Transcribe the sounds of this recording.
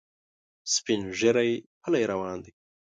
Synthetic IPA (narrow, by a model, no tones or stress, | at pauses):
spinʒeɾajpʰɐlajɾɐwaːnd̪i